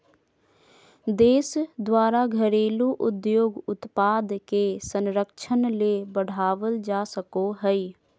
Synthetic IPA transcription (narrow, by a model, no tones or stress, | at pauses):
d̪eːsd̪waːɾaɡʱəɾeːluʔʊd̪joːɡʊt̪paːd̪kesə̃nɾəkt͡ʃʰənlebəɽ̤aːʋəld͡ʒaːsəkoɦɛi